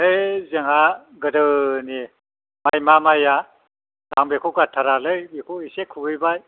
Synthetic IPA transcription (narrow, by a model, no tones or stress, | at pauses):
ejzeŋaɡɯdɯni | majmamaja | daŋbekʰukatʰaɾalɯjbekʰuisekʰubɯjbaj